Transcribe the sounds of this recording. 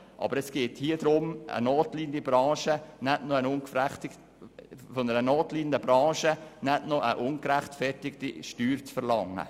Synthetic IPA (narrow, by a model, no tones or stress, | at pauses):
ʔɑ̰bəɾɛsɡ̥eːthiːəd̥ɾʊmə̰noːtliːɡənd̪ibɾɑ̃ːʃənɛtnoənʊnkfæχtɪ | fɔnəɾənoːtliːɡən̩dəb̥ɾɑ̃ːʃənɛtnoʔəʔʊnkɾæχtfɛrtɪktiʃtyːɾt͡sfəɾlɑŋːə̰